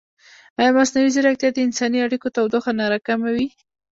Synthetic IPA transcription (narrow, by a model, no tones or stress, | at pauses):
ajɑmasnawizəɾak̚t̪jɑd̪əɪnsɑniaɽikot̪awd̪oxanɑɾakamawi